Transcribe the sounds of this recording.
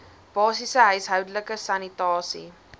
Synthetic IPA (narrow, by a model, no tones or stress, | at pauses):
b̥ɑːsisəɦœɥsɦœwdələkəsɐnitɑːsḭ